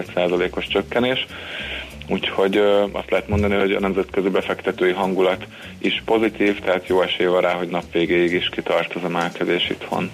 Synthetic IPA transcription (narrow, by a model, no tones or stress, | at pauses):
t̪saːzɒleːko̞ʃt͡ʃøkːɛneːʃ | uːcho̞ɟɒ̰st̪lɛɦɛt̪mo̞nd̪ɒniɦo̞ɟɒ̰nɛmzɛt̪køzibɛfɛkt̪ɛt̪øːjiɦɒŋɡulɒt̪ | iʃpo̞zit̪iːft̪ɛɦaːt̪joːɛʃeːjvɒnraːɦo̞ɟnɒpʋeːɡeːiɡiʃkit̪ɒrt̪ozɒmɛlkɛzeːʃḭt̪ho̰n